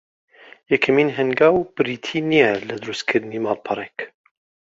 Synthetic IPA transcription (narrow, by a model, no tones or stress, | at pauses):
jɛkʰɐmiːnɦɛŋɡaːwb̥ɨɾiːt̪ʰiːnijɛlɐd̪ɨɾust̪kʰɨɾd̪ɨniːmɑlpʰɑɾˤek